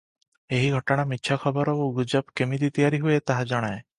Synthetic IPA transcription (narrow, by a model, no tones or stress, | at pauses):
eɦiɡʱɔʈɔɽ̃amitːt͡ʃʰakʰɔbɔɾɔuɡud͡ʒɔpkemid̪it̪ijaɾiɦuet̪aɦad͡ʒɔɽ̃ae